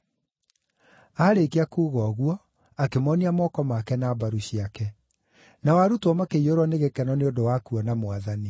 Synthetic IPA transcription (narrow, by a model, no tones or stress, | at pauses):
aːɾekeakuɣɔɣwɔ | akemɔniamɔkɔmakɛnaːbaɾuɕiakɛ | nawaɾutwɔmakeioɾwɔneɣekɛnɔneondowakuɔnamoaðani